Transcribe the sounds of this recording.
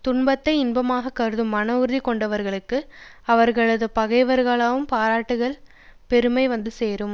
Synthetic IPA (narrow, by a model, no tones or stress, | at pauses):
t̪ʊɳbɐt̪ːɐɪɪnbɐmaːɣɐkːɐɾɯðɯmːɐnɐʊɾɯðikɔɳɖɐʋɐɾɣɐɭɯkːɯ | ɐʋɐɾɣɐɭɐðɯpɐɣɐɪʋɐɾɣɐɭaːʋɯmpaːɾaːʈːɯɣɐɭ | pɛɾɯmɐɪʋɐnd̪ɯseːɾɯm